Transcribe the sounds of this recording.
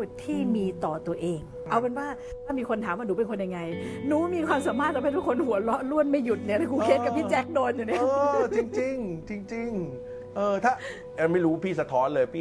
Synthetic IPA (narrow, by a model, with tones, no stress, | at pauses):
t̪ʰːiː˥˩miː˧t̪ɔː˨˩t̪u˧ɐʔeː˧ŋ | ʔa˧wka˧nwaː˥˩t̪ʰaː˥˩miː˧kʰo˧nt̪ʰaː˩˦mwaː˥˩nuː˨˦˥pe˧nkʰo˧nja˧ŋːa˧jnuː˨˦miː˧kʰwaː˧msaː˩˦maː˥˩t̪̚laː˧˥ma˥˩t̪ʰu˦˥˩kʰo˧nhu˩˦ɐlɔ˦˥ʔlu˥˩ənma˥˩ju˨˩t̪̚ni˧˥ɐ˨t̪ʰa˥˩kʰuː˧˦kʰe˦˥ka˩pʰiː˥˩t͡ɕɛː˦˥k̚doː˧njuː˨˩ŋaː˦˥˧t͡ɕi˧ŋt͡ɕi˧ŋt͡ɕi˧ŋt͡ɕi˧ŋ | ʔɤː˧t̪ʰaː˥˩ | a˧ma˥˩jɾuː˦˥pʰiː˥˩sa˧t̪ʰɔː˦˥nlɤː˧jpʰiː˥˩